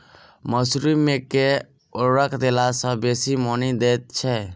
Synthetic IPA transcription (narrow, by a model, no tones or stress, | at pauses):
məsɾumeke | oɾəkʰd̪elasə̃beːsimɔnid̪eːt̪̚t͡ʃʰɛ